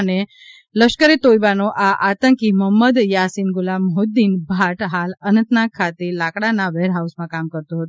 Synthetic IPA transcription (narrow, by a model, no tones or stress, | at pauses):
əne | ləʃkəɾet̪ojbanoʔaʔat̪əŋkiməmːəd̪jasinɡʊlamɦod̪ːinbʱaʈɦalənə̃nt̪nãkʰːat̪elakɽanaʋeɾɦawsmãkamkəɾt̪õɦət̪o